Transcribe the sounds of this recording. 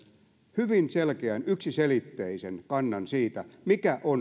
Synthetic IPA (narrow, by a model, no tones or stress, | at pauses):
hyʋinselkeænyksiselit̪ːeisenkɑnːɑnsiːt̪æmikæʔon